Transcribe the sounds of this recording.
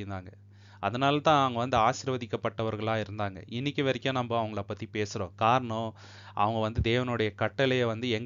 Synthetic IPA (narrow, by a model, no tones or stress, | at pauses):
ɪnd̪aːŋɡɐ | ʔɐðɐnaːlɐt̪ãːɐʋɐŋɡɐʋɐnd̪ɯaːʃɪɾʋɐðɪkːɐpːɐʈːɐʋɐɾɣɐɭãːɪɾɯnd̪aːŋɡɐ̰ɪnːɪkʲːɯʋɐɾɪkʲːõːnɐmbɐɐʋɐŋɡɐɭɐpɐt̪ːipeːsɯɾõ̰ːkaːɾɐɳõ | ʔɐ̰ʋɐŋɡɐʋɐnd̪ɯd̪eːʋɐnʊɽɐjɐkɐʈːɐlɐjɐʋɐnd̪ɯɛŋɡ